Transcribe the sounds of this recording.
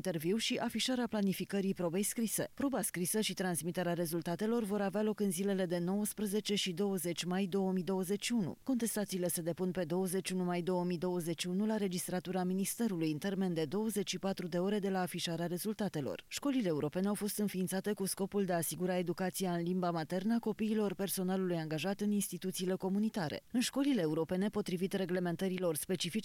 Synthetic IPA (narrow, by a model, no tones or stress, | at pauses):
nt̪e̞rviwʃiʔafiʃaɾeaplanifikəɾipɾo̞be̞jskɾise̞̰pɾo̞baskɾisəʃit̪ɾansmit̪e̞ɾeaɾe̞zult̪at̪e̞lo̞rvo̞ɾavealo̞kɨnzile̞le̞d̪e̞no̞wəspɾəze̞t͡ʃe̞ʃid̪o̞wəze̞t͡ʃʲmajd̪o̞wəmijd̪o̞wəze̞t͡ʃʲʃiunṵko̞nt̪e̞st̪at̪siːle̞se̞d̪e̞punpe̞d̪o̞wəze̞t͡ʃʲunumajd̪o̞wəmid̪o̞wəze̞t͡ʃːunulaɾe̞d͡ʒist̪ɾat̪uɾaminist̪e̞ɾulujɨnt̪e̞rme̞nd̪e̞d̪o̞wəze̞t͡ʃʲʃipat̪ɾud̪e̞o̞ɾe̞d̪e̞laːfiʃaɾeaɾe̞zult̪at̪e̞lo̞̰rʃko̞lile̞ːuɾo̞pe̞neawfo̞st̪ɨnfiːnt̪sat̪e̞kusko̞puld̪e̞aːsiɡuɾae̞d̪ukat̪sijaɨnlimbamat̪e̞rnəako̞piːlo̞rpe̞rso̞nalulujaŋɡaʒat̪ɨninst̪it̪ut̪siːle̞ko̞munit̪aɾḛɨnʃko̞lileːuɾo̞pe̞ne̞po̞t̪ɾivit̪re̞ɡle̞me̞nt̪əɾilo̞rspe̞t͡ʃifit͡ʃ